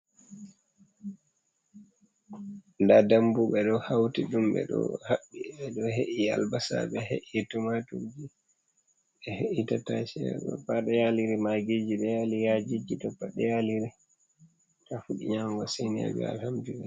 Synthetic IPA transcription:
ndadambuɓɛɗɔhawtiɗumɓɛ̰ɗɔ̰haɓːiɛɗɔɦeʔia̰lbasa̰ɓɛɦeʔitumatuɾd͡ʒi | ɛheʔitatat͡ʃɛɗɔ̰paɗɛjaliɾimaɡid͡ʒiɗɛjalijad͡ʒid͡ʒitɔpːaɗɛjaliɾi | tafuɗiɲamɡasenia̰d͡ʒɛ̰a̰lhamdibɛ

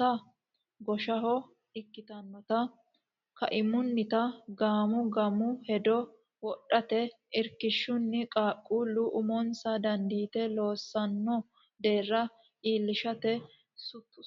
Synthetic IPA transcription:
ɐ | ɡɔʃɐɦɔ | ɪkːɪt̪ɐnmɐt̪ɐ | kɐ̰ʔɪmʊnːɪt̪ɐɡaːmʊɡɐmʊhɛd̪ɔ | wɔɗːɐt̪ɛ | ɪɾkɪʃːʊnːɪkʼaːkʼːuːlːʊʔʊmɔnsɐd̪ɐnd̪iːt̪ɛlo̞ːsːɐnːɔ | d̪e̞ːrːɐ | iːlːɪʃɐt̪ɛ | sʊt̪ːʊ

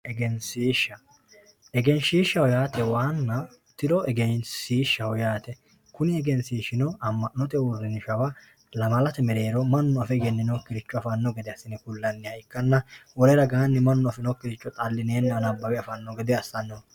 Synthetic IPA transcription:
ʔɛɡɛnsiːʃɐ | ɛɡɛnʃiːʃːɐwɔjaːt̪ɛwaːnːɐ | t̪ɪᶑɔɛɡɛjnsiːʃːɐwɔjaːt̪ɛ | kʊnɪɛɡɛnsiːʃɪnɔɐmːɐnɔt̪ɛwʊɾːɪnɪʃɐwɐ | lɐmɐlɐt̪ɛmɛɾe̞ːɾɔmɐnːʊɐfɛɡɛnːɪnɔkːɪɾɪt͡ʃːɔɐfɐnːɔɡɛd̪ɛɐsːɪnɛkʊlːɐnːɪjɐɪkːɐnːɐwɔɾɛɾɐɡaːnːɪmɐnːʊɐfɛnɔkːɪɾɪt͡ʃːɔt̪ʼɐlːɪneːnːɛɐnɐbːɐwɛɐfɐnːɔɡɛd̪ɛɐsːɐnːɔ

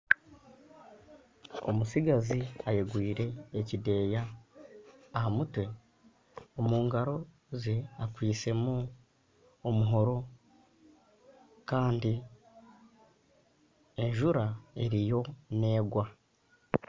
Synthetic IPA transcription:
o̰musiɡaziajeɡwiːɾe̞ːcide̞ːjaː | hamutwe̞ | omuːŋɡaɾo̞ | zeakwiːt͡se̞mu | omuɦo̞ɾo̞ | kaːndi | e̞ɲʒuɾae̞ɾijo̞ne̞ːɡwa

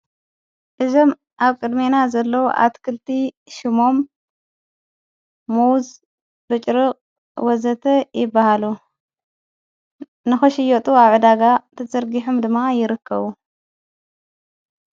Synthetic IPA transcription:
ʔɨzo̞m | ʔaβkʼɨd̪menazɐlːɐwuʔa̰t̪kʰɨlt̪ʰi | ʃɪmo̞m | uwz | bɨt͡ʃʼɾɨqʼ | wɔzɐt̪ʰɐjɪbːahalu | nɨxɐʃɪjɔt̪ʼuaβʕɨd̪aɡat̪ʰɐzʼɐɾɡiħumd̪ɨmːajɪɾɨkʰːɐβu

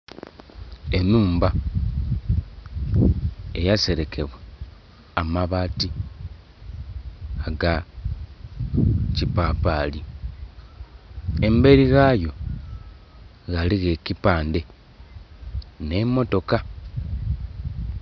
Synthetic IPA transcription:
e̞nuːmba | ejase̞ɾe̞kʰe̞βwe | amaβaːti | aɡa | cipaːpaːli | embe̞ɾiɣajo̞ | ɣaliɣe̞cipaːnde̞ | ne̞mo̞to̞ka

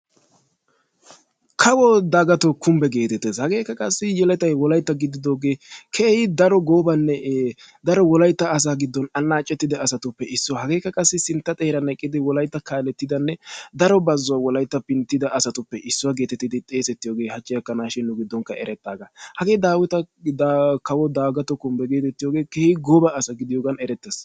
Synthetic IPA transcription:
kʰɐwɔd̪aːɡɐt̪okʰʊmbɛɡe̞ːt̪ɛt̪ːeːshɐɡe̞ːkːɐkʼɐsːɪjɛlɛt̪ɐjwɔlɐjt̪ːɐɡɪd̪ɪd̪o̞ːɡe̞ːkʰeːhɪd̪ɐɾɔɡoːbɐnːɛ | d̪ɐɾɔwɔlɐjt̪ːɐːs̬aːɡɪd̪ːɔnɐnːaːt͡ʃʼːɛt̪ːɪd̪ɛɐsɐt̪ʊpːɛʔɪsːɔhɐɡe̞ːkːɐkʼɐsːɪsɪnt̪ːɐt̪ʼeːɾɐnɐkʼːɪd̪ɪwɔlɐjt̪ːɐkaːlɛt̪ːɪd̪ɐnːɛd̪ɐɾɔbɐzːɔwawɔlɐjt̪ːɐpɪnt̪ːɪd̪ɐʔːsɐt̪ʊpːɛʔɪsːɔwaɡe̞ːt̪ɛt̪ːɪd̪ɪt̪ʼe̞ːsɛt̪ːɪjoːɡeːhɐt͡ʃʼːɪjɐkːɐnaːʃɪnːʊɡɪd̪ːɔŋkɐʔɛ̰ɾɛt̪ːaːɡɐhɐɡe̞ːd̪aːwɪt̪ɐ | kɐwɔd̪aːɡɐt̪ɔkʊmbɛɡeːt̪ɛt̪ːɪjoːɡe̞ːkɛːhɪɡɔːbɐːsɐɡɪd̪ɪjoːɡɐnɛɾɛt̪ːɛs

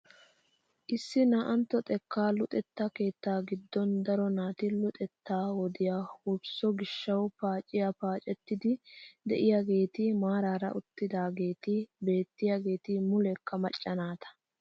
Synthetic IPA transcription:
ʔɪsːɪnaʔɐnt̪ːɔt̪ʼɛkːaːlʊt̪ʼɛt̪ːake̞ːt̪ːaːɡɪd̪ːɔnd̪ɐɾɔnaːt̪ɪlʊt̪ʼɛt̪ːaːwɔd̪ɪjaːhʊbsɔɡɪʃːɐwpaːt͡ʃʼːɪjapaːt͡ʃʼɛt̪ːɪd̪ɪd̪ɛʔɪjaɡe̞ːt̪ɪmaːɾaːɾɐ̰ʔʊt̪ːɪd̪aːɡe̞ːt̪ɪbe̞ːt̪ːɪjaɡe̞ːt̪ɪmʊlɛkʰːɐmɐt͡ʃʼːɐnaːt̪ɐ̥

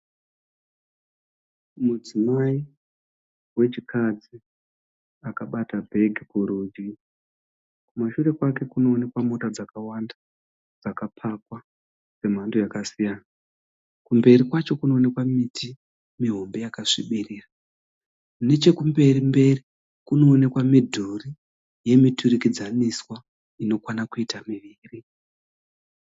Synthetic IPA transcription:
mud͡zimai | we̞t͡ʃikʰad͡zi | akaɓatabʱe̞ɡʱikuɾud͡ʒɡi | kumaʃure̞kwake̞kuno̞ːne̞kwamo̞tad͡zakawanda | d͡zakapʰakwa | d͡ze̞m̤andojakasijana | kumbe̞rikwat͡ʃo̞kuno̞ːne̞kwamitʰi | miɦo̞mbe̞jakaʂiɓiriːra | une̞t͡ʃe̞kumbe̞rimbe̞ri | kuno̞ːne̞kwamidʱuri | je̞mitʰurikid͡zaniswa | ino̞kwanakuitamiʋiːri

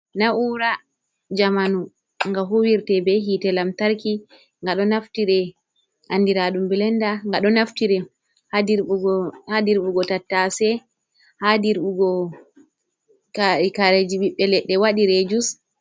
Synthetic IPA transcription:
naʔuːɾa | d͡ʒamanu | ŋɡaɦuwiɾtɛbɛɦitɛlamtaɾki | ŋɡaɗɔnaftiɾɛ | ʔandiɾaɗumbilɛndaŋɡaɗɔnaftiɾɛ | iɾhadiɾɓuɡɔtatːasɛ | hadiɾɓuɡɔ | kaɾed͡ʒiɓiɓːɛlɛɗːɛwaɗiɾɛd͡ʒus

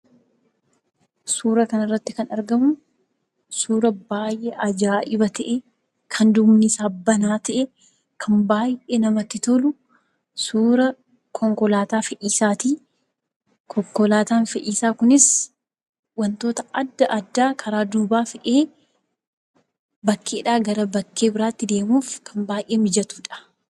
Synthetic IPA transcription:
suːɾɐkɐnɪrːɐt̪ːɪkɐnɐɾɡɐmʊ | suːɾɐbaːjʔeʔɐd͡ʒaːʔɪbɐt̪ɐʔe | kʰɐnd̪ʊmnɪsaːbːɐnaːt̪ɐʔɛ | kʰɐmbaːjʔeːnɐmɐt̪ːɪt̪ɔlʊ | suːɾɐ | kʰɔŋkɔlaːt̪aːfɛʔiːsaːt̪iː | kʰɔkːɔlaːt̪aːnfɛʔiːsaːkʊnɪs | wɐnt̪o̞ːt̪ɐɐd̪ːɐʔɐd̪ːaːkʰɐɾaːd̪uːbaːfɛʔeː | bɐkːe̞ːᶑaːɡɐɾɐbɐkːe̞ːbɪɾaːt̪ːɪd̪e̞ːmuːfkʰɐmbaːjʔeːmɪd͡ʒɐt̪u̥ːᶑɐ̥

